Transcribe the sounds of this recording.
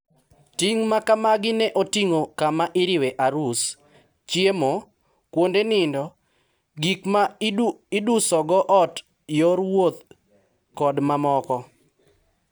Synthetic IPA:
tiŋmakamaɡɪnɛʔotiŋokamaʔɪɾɪweʔaɾus | t͡ʃjemo | kwondenɪndɔ | ɡikmaɪdusɔɡɔʔɔt | joɾwot̪ | kɔdmamɔkɔ

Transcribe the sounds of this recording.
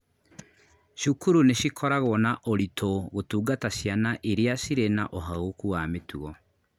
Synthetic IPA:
ʃukuɾuneʃikʰɔɾaɣoɔnaʔoɾitʰoɣotuːɡatasjanaʔeɾjasiɾenaʔoɦaɣokuwametuɣɔ

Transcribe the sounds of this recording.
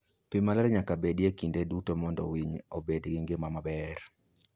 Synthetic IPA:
pɪmalɛɾɲakabedjekindedutomɔndɔ̰wiɲobedɡɪŋɡɪmamabɛɾ

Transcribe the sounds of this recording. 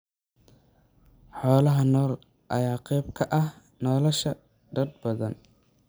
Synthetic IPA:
ħɔːlɐɦɐnɔːr | ʔɐ̰jaːqɛjb̚kʰɐʔɐh | nɔːlɐʃɐ | d̪ɐd̪̚bɐðɐ̰n

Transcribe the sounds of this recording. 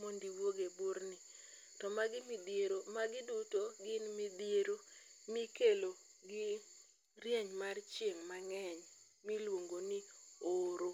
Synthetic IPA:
mondiwoɡeboɾnɪ | tɔmaɡɪmidjeɾomaɡɪdutoɡɪnmɪdjeɾomɪkelo | ɡɪ | rjɛɲmart͡ʃjeŋmaŋɛɲ | milwoŋɡonɪoɾo

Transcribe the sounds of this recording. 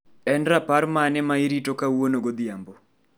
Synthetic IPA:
ɛnɾapaɾmanɛmaiɾitokawonoɡod̪ɪjambo

